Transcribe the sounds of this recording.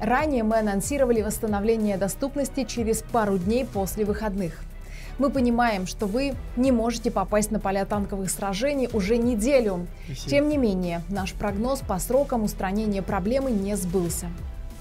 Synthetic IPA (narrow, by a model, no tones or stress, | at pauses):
ranʲɪjəmɨɐnɐnsʲiɾəvəlʲɪvəst̪ənɐvlʲenʲɪjəd̪ɐst̪upnəsʲtʲɪt͡ɕɪɾʲɪspaɾʊdʲnʲejpo̞sʲlʲɪvɨxɐd̪nɨx | mɨpənʲɪmajɪmʂt̪o̞vɨnʲɪmo̞ʐɨtʲɪpɐpasʲtʲnəpɐlʲat̪ankəvɨxsɾɐʐɛnʲɪjʔʊʐɛnʲɪdʲelʲʊ | tʲe̞mnʲɪmʲenʲɪjənaʂpɾɐɡno̞spɐsɾo̞kəmʊst̪ɾɐnʲenʲɪjəpɾɐblʲe̞mɨnʲezbɨlˠsʲə